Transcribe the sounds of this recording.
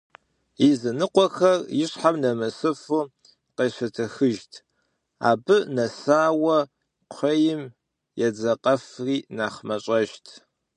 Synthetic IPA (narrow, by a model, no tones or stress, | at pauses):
izɨnɨqʷɔxɐrjɪɕħamnɐmɐsɨfuː | qeːɕɐtʰɐxɨʒtʰ | a̰ːbɨnɐsaːwɐ | qʷʰɐjɪm | jɛd͡zɐqʼɐfriːnaːχmɐɕʼɐʒtʰ